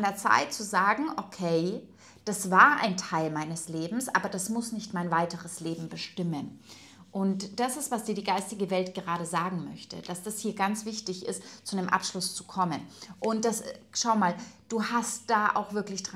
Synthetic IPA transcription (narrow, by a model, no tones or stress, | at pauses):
ndeɐt͡sa̰ɪtt͡suzaːɡŋ̩ʔokʰeɪ | d̥asv̥aːɐʔa̰ɪntʰaɪlmaɪnəsleːbm̩sʔa̰ːbɐd̥asmʊsnɪçtmaɪnvaɪtəʁəsleːbm̩bəʃtɪmən | ʔʊntd̥asɪstv̥asd̥iːɐdiːɡaɪstɪɡəvɛltɡ̥əʁaːɾəzaːɡŋ̩mœ̰çtə̰d̥asd̥ashiːɐɡant͡sv̥ɪçtɪçɪ̰stt͡sudemʔa̰pʃlʊst͡sukʰɔmənʔʊnt̚d̥asʃaʊmaːld̥uːhastd̥aːʔa̰ʊxv̥ɪɐklɪçd̥ʁ